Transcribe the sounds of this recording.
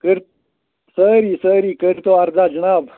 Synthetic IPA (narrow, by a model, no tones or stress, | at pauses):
kəɾ | səɾisəɾikəɾt̪oaɾd͡zad͡ʒɐñaːb